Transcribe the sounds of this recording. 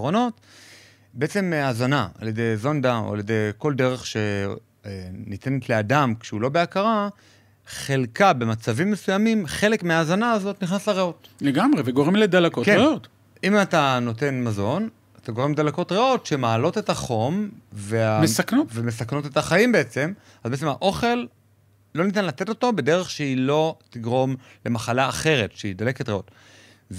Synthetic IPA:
ʁono̞t | beet͡se̞meazanaa̰ljed̪e̞jzo̞nd̪ao̰a̰lje̞de̞jko̞lde̞ʁe̞χʃe̞ | nite̞net̪le̞adamkʃeulo̞be̞akaʁa | χe̞lkabe̞mat͡savimːe̞sujamimχe̞le̞kmeaːzanaːzo̞t̪niχnasleʁeo̞tleɡamʁeveɡo̞ʁemled̪alakotkeeot | imatano̞te̞nmazo̞n | at̪aɡoemldalako̞tʁeo̞tʃe̞maːlo̞te̞taχo̞mveamesaknovemesakno̞te̞taχajimbeet͡se̞m | azbeet͡s̬emaʔo̞χe̞l | lːo̞nitanlat̪e̞to̞to̞be̞de̞ʁe̞χʃeilo̞tiɡʁo̞m | lemaχalaːχe̞ʁe̞tʃeidale̞ketʁeot

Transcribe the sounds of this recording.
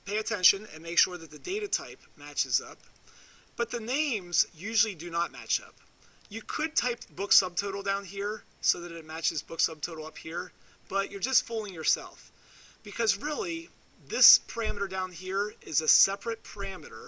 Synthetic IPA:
pʰeɪɨtʰɛ̃nʃɨ̃nɨ̰̃nmeɪkʃʊɹðɨt̪̚ðɨdeɪɾɨtʰaɪpmæt͡ʃɨzʌp̚ | b̥ʌt̪̚ðɨnẽɪ̃mzjʉʒl̩ˠidɨnət̚mæ̰t͡ʃʌ̰p | jɨkʰɨd̚tʰaɪp̚bʊksʌb̚tʰoʊɾl̩ˠdãʊ̃nɦiɹ | soʊðɨɾɨt̚mæt͡ʃɨzbʊksʌb̚tʰoʊɾl̩ˠʌphiɹb̥ʌt͡ʃə˞d͡ʒʌstfulˠɪ̃ŋjə˞sɛ̰lˠf | b̥ɨkʰʌzɹɪlˠi | ðɪspʰə˞æməɾə˞dãʊ̃nɦiɹɪzɨsɛpʰɹɨt̚pʰə˞æmɨɾə˞

